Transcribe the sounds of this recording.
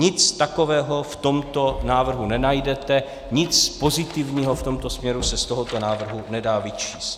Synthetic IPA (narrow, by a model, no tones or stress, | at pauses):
ɲɪt͡st̪ako̞vɛːɦo̞ft̪o̞mt̪o̞naːvr̩ɦunɛnajdɛt̪ɛ | ɲɪt͡spo̞zɪt̪ɪvɲiːɦoft̪o̞mt̪o̞smɲɛɾusɛst̪oɦot̪o̞naːvr̩ɦunɛdaːvɪt͡ʃiːst̪